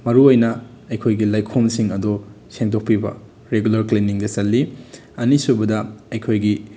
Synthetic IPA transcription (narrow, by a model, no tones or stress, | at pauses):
mɐɾuojnɐ | ɐjkʰojɡilajkʰomsiŋɐdo | seŋtok̚pibɐ̰ | ɾeɡulɐɾkliniŋdɐsɐlːi | ɐnisubɐdɐɐjkʰojɡi